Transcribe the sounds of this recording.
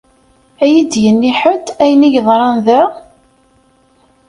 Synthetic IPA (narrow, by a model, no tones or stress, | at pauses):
æjid̪jənːiħət̪æjəniʝðˤɾˤɑnðæ